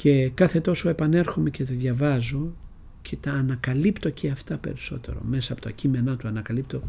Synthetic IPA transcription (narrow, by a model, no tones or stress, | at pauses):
ce̞kɐθe̞t̪o̞so̞e̞pɐne̞ɾxome̞cet̪ɐðʝɐvɐzo̞ | cʰet̪ɐːnɐkɐlipt̪o̞ceɐft̪ɐpe̞̰ɾiso̞̰t̪e̞̰ɾo̞̰me̞sɐːpot̪ɐcime̞nɐt̪uɐnɐkɐlip̚t̪o̞